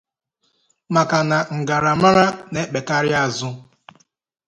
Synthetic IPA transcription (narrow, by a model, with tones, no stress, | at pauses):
ma˨ka˨na˨ŋ̩˨ɡa˨ɾa˨ma˦ɾa˦ne˦k͡pe˨ka˦ɾjɪ˦a˦˨zʊ˦